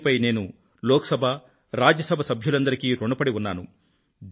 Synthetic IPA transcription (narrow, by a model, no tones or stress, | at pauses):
pɐjne̞ːnu | lɔːkɐ̥sɐbʱɐ | ɾaːd͡ʒɐsɐbʱɐsɐbʱjulɐnd̪ɐɾikiːɾoɳɖupɐɽiunːa̰ːnu | d